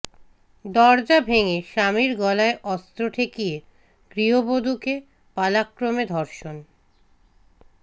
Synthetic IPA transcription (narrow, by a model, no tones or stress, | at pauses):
d̪ɔɾd͡ʑabʱeŋeʃamiɾɡɔlaeʔɔst̪ɾoʈʰekije | ɡɾiɦobod̪ʱuke | palakːɾomed̪ʱɔɾʃon